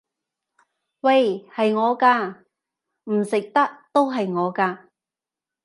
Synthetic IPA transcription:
wɐ˧jhɐ˨jŋɔː˨˧kaː˧ | m̩˨˩sɪ˨k̚t̪ɐ˥k̚t̪o˥wɦɐ˨jŋɔː˨˧kaː˧

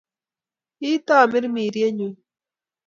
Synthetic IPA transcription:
i˦t̪aː˦˨mɪ˦ɾmiː˨ɾje˦ɲu˧˦

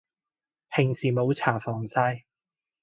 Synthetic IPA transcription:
hɪ˨˩ŋsiː˨mo˨˥wt͡sʰaː˨˩fɔː˨˩ŋsaː˧j

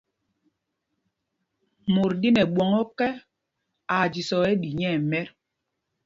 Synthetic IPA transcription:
mo˨ɾdi˦nɛ˨ɓwɔ˨ŋɔ˦kɛ˦ | a˨d͡ʒi˨sɔ˨ɛ˦di˨ɲɛ˦˨mɛ˦ɾ

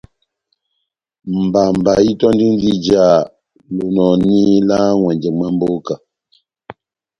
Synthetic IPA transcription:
m̩˨ba˨m̩˨ba˨ji˦tɔ˦n˦di˦n˦di˦d͡ʒa˦˨ | lo˨nɔ˨ni˦la˦ŋwɛ˨nd͡ʒɛ˨ŋma˦mbo˦ka˨

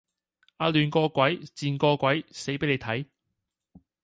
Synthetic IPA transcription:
aː˧lyː˨˧nkɔː˧kʷɐ˨˥jt͡siː˧nkɔː˧kʷwɐ˨˥jse˨˥jpe˨˥le˨˧jt̪ʰɐ˨˥j

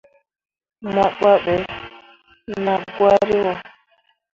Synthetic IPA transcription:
ma˨k͡pa˦ɓɛ˨ | na˨ɡwa˦ɾi˦wa˨

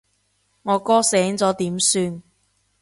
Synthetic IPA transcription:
ŋɔː˨˧kɔː˥sɛː˨˥ŋt͡sɔː˨˥t̪iː˨˥msyː˧n

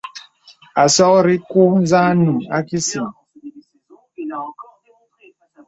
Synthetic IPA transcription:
a˨sɔ˦kɾi˦ku˦n˦za˦nũ˨a˦ki˦si˨ŋ

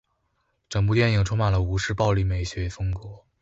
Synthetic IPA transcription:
ʈ͡ʂɤ˨˩ŋp̬u˥˧t̪jɛ˥˩ni˨˩ŋʈ͡ʂʰʊ˥ŋma˨˩nlə˦u˧˥ʂɻ̩˥˧pɑ˥˧ʊli˥˩me˨˩ɪɕɥɛ˧˥fɤ˥ŋkwɤ˧˥

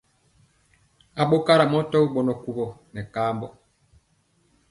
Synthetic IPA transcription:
a˨ɓo˦ka˦ɾa˨mɔ˦tɔ˦u˦ɓɔ˨nɔ˨ku˨ɣɔ˨nɛ˨kaː˦mbɔ˨

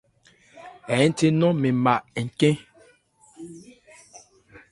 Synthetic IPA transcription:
ɛ˨˦n̩˦te˦nɔ˦me˨ma˨ʔɛ˨ŋ̩˨kẽ˦

